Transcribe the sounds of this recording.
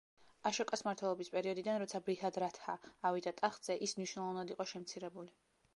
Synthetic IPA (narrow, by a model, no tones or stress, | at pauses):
aʃɔkʼasmaɾt̪ʰwɛlˠɔbispʼɛɾiɔd̪id̪anɾɔt̪sʰabɾihad̪ɾat̪ʰaːvid̪at̪ʼaχd̪z̥ɛʔismniʃwnɛlˠɔvanad̪iqʼɔʃɛmt̪sʰiɾɛbuli